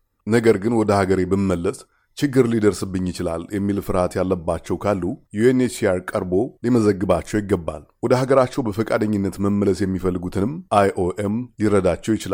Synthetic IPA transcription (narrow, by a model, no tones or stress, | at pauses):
nəɡəɾɡɨnwɔd̪əhaɡəɾe̞bɨmːəlːəs | t͡ʃɪɡːɨɾlid̪əɾsɨbːɨɲːjɪt͡ʃɪlaljɛmːilfɨɾhat̪jalːəbːat͡ʃːɛwkʰalːujuenesiaɾkʼəɾbo̞liməzəɡːɨbat͡ʃːɛwjɪɡːəbːa̰lwɔd̪əhaɡəɾat͡ʃːɛwbəfəkʼad̪əɲːɪnːət̪məmːələsjɛmːifəlːɨɡut̪ʰɨnɨmʔajʔoʔemjɪɾəd̪at͡ʃːɛwjɪt͡ʃɪla